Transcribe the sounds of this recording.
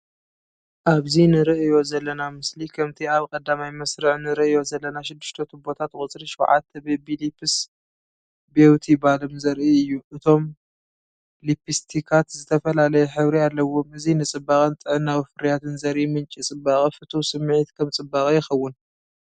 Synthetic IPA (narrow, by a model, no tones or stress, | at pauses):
ʔaβzinɨɾɨʔɨjo̞zɐlːɐnamɨslikʰɐmt̪ʰiaβkʼɐd̪ːamajmɐsɾɨʕnɨɾɨʔɨjo̞zɐlːɐnaʃɪd̪ːɨ̥ʃt̪ʰɐt̪ʰubo̞t̪ʰat̪kʼʊt͡sʼɾiʃɐwʕa̰t̪ʰːɐbebilipʰɨs | bewt̪ʰibalɨmzɐɾʔiɨjːuʔɨt̪ʰo̞m | lipʰist̪ʰikʰat̪zɨt̪ʰɐfɐlalɐjɛħɨβɾialːɐwo̞mɨzinɨt͡sʼɨbaχʼɨnt̪ʼɨʕɨnːawifɨɾjat̪ʰɨnzɐɾʔimɨnt͡ʃʼit͡sʼɨbaχʼifɨt̪ʰusɨmːʕit̪kʰɐmt͡sʼɨbːakʼijɪxɐwːʊn